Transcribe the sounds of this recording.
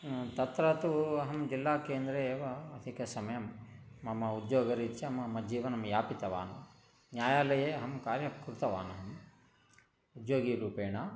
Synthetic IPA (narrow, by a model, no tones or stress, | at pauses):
t̪ɐt̪ɾɐt̪uɐɦɐmd͡ʒilːaːkeːnd̪ɾeːʋɐɐd̪ʰʱikɐsɐmɐjɐmːɐmɐud̪joːɡɐɾit͡ʃːɐɐmɐmːɐd͡ʒiːʋɐnɐmjaːpit̪ɐʋa̰ːnu | njaːjaːlɐjeːɐɦɐmkaːɾjɐkuɾut̪ɐʋa̰ːnɐɦɐm | ud̪joːɡiːɾuːpeːɳɐ